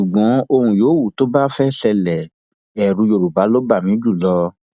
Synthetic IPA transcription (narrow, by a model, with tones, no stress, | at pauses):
ʃu˨ɡ͡bɔ̃˨˦o˧hũ˧joː˨˦wu˦˨to˦ba˦fɛ˦ʃɛ˧lɛ˨ | ɛ˨ɾũ˧jo˧˨ɾu˨ba˨˦lo˦ba˦˨mĩ˨˦d͡ʒu˦˨lɔ˦